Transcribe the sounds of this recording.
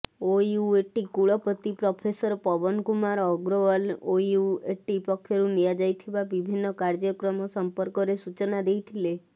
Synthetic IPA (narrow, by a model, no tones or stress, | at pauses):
ojuueʈikuɭɔpɔt̪ipɾɔpʰesɔɾpɔbɔnkumaɾɔɡɾɔʋɔlojueʈipɔkʰːjɔɾunijad͡ʒajt̪ʰibabibʱinːɔkaɾd͡ʒɔkɾɔmɔsɔmpɔɾkɔɾesut͡ʃɔnad̪ejt̪ʰile